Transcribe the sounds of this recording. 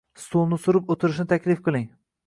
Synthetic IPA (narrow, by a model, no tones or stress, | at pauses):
st̪onɪsʊɾɪpot̪ʰɪɾɪʃnɪt̪ʰakʲʰlɪfqʰɨlˠɪŋ